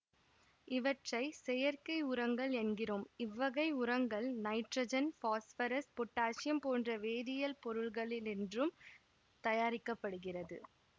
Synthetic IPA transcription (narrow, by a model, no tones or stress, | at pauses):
ɪʋɐʈrɐɪsɛjɐɾkɐɪʊɾɐŋɡɐɭɛnɡɪroːmɪʋːɐɣɐɪʊɾɐŋɡɐɭnɐɪʈrɐd͡ʒɐnfaːsfɐɾɐspɔʈːaːʂɪjɐmpoːndrɐʋeːðɪjɐlpɔɾɯɭɣɐɭɪlɛndrɯm | t̪ɐjaːɾɪkːɐpːɐɽɯɣɪrɐðɯ̰